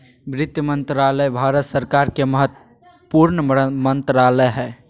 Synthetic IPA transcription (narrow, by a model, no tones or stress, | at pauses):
bɾɪt̪jəmənt̪ɾaləbʱaɾət̪səɾkaɾkeməɦət̪ | əpuɾnəmənt̪ɾaləjɦɛ